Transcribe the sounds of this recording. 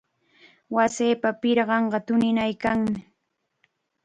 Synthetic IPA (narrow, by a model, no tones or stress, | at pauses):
wasiːpapɪɾɢɑɴɢɑt̪ʊnɪnajkaŋmɪ